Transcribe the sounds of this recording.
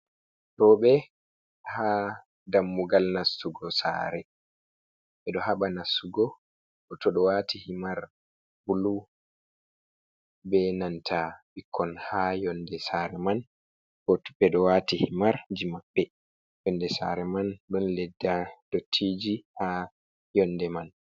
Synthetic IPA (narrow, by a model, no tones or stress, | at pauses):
tɔɓɛ | ha | damːuɡalnasuɡɔsa̰ːɾɛ | ɓɛɗɔhaɓanasuɡɔ | ɗɔtɔɗɔwatʰihimaɾ | bulu | bɛnantʰabikʰːɔnhajɔndɛsaɾɛman | bɔtubɛɗɔwatihimaɾd͡ʒimabːɛ | jɔndɛsa̰ɾɛmanɗɔnlɛdːad̥otʰːiːd͡ʒiha | jɔnːdɛman